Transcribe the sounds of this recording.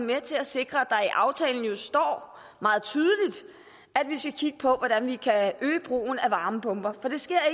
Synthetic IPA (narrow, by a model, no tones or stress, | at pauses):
met͡sʰe̝læse̝ɡ̥ʁɐæd̥ɑ̈iʔɑ̈ʊt͡sʰɛ̰ːln̩jo̝sd̥ɒ̰ː | mɑ̈ːð̩ˠt͡sʰyːð̞ˠəlid̥ | æd̥ʋisɡ̥ækʰiɡ̥əpʰɒ̽ʋɒɾ̥ænʋikʰæʔøːb̥ʁo̝̰ːn̩æʋɑ̈ːməpʰɔ̽mb̥ɐfɒ̽d̥e̝sɡ̥e̝ɐ̰e